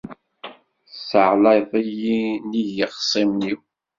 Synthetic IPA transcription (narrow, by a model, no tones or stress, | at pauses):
səʕlɑjðˤijiniʝəqsˤimniw